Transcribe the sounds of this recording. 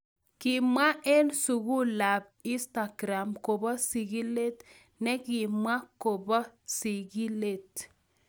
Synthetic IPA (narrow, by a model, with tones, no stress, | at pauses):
ki˨mwa˦ʔɛ˦lsu˨ɡu˦la˨b̚ | i˦sta˨ɡɾa˨mko˨bɔ˦si˨ɡi˦le˦t̪ | nɛ˦ki˨mwa˦ko˨bɔ˦si˨ɡi˦le˦˨t